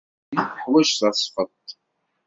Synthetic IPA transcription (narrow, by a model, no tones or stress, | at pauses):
iθəħwæʃθəsˤfət̪ˤ